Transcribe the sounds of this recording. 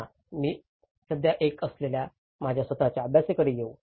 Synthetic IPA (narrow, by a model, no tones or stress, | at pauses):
a | miː | səd̪jaʔekəslelja | mad͡ʑʱjasʋət̪at͡ɕjaːbjasekəɾejeu